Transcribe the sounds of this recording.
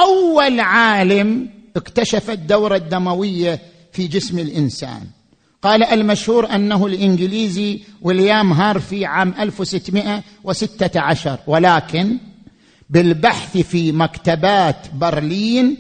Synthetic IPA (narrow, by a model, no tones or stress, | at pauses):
ʔawːalʕaːlamʔɪkt̪aʃafad̪ːawɾˤɑd̪ːamawɪjːa | fid͡ʒɪsmɪlʔɪnsa̰ːn | qɑːlaʔalmaʃhuːɾʔanːaɦʊlʔɪnɡɪliːziwɪljaːmɦɑːɾˤfiʕaːmʔalfwsɪt̪ːmɪʔa | wɪsɪt̪ːaʕaʃɑɾˤwɪlaːkɪn | bɪlbaħθifimakt̪abaːt̪bɪɾliːn